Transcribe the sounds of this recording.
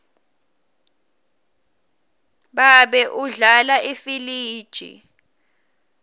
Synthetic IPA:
ɓaɓɛʔuɮalaʔifiliːd̥ʒ̥ʱḭ

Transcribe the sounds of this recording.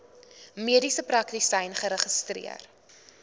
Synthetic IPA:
miədisəprɐktisɛjnχəɾəχəstrḭər

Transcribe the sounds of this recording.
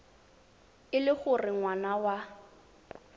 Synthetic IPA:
ɪlɪχʊrɪŋwanawa

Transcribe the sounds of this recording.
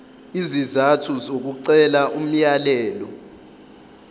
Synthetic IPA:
izizatʰuzok̬uǀɛlaʔum̩jalɛːlɔ

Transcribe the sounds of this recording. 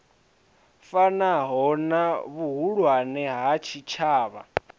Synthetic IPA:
fanaɦɔnaβuɦuɺwanɛɦat͡ʃʰit͡ʃʰaːβa

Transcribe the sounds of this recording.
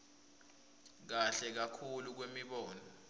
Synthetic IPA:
k̬aɬɛk̬akʰuluk̬wemiɓɔːnɔ

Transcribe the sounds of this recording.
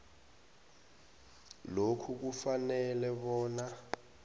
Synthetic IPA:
lokʰuk̬ufanɛlɛɓɔːna

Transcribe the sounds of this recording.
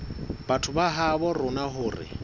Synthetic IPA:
batʰʊbaɦabɔrʊnaɦʊːrɪ̰

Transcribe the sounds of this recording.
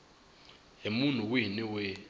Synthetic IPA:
ɦemun̤uwiniwɛ

